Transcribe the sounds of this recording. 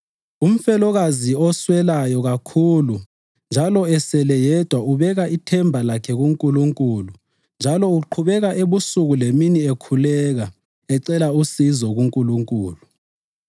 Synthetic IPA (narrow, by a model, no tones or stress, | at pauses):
um̩fɛlɔɣaziɔswɛlajɔɣakʰulu | nd͡ʒʱalɔɛsɛlɛjɛd̥ʱwauβɛɣaʔitʰɛmbʱalakʰɛɣuŋkʼuluŋkʼulu | nd͡ʒʱalɔuǃʰuβɛɣaʔeβusuɣuleminiekʰulɛːɣa | ɛǀɛlausizɔɣuŋkʼuluŋkʼṵːlu